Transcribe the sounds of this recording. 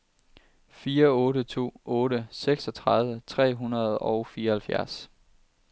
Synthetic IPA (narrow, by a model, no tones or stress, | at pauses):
fiːɐɔ̽ːɾət͡sʰo̝̰ːʔɔ̽ːɾəseɡ̥sɒ̽t͡sʰʁɑ̈ðˠʋət͡sʰʁɛ̰ːɦunɐð̞ˠɒʊfiːɐhælfjæɐs